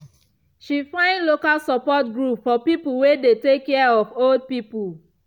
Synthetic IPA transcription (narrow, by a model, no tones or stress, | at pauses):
ʃifãɪ̃ndlokalsapɔtɡɹupfɔpipulwedetekːɛaɔfold̚pipul